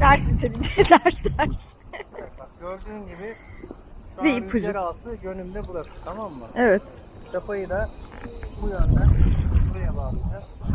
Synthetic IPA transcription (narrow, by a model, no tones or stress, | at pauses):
d̪æɾsint̪ʰeminɛd̪æɾsæɾz̥ | aɟø̞ɾd̪yːnɟibɪ | bipʰuzɾat̪ɯɟø̞nymd̪ɛbuɾak̪ɯt̪ʰamamːaevɛt̪ | t̪ʰapʰajɯd̪ˠa | bujand̪anʰibuɾajabamd̪a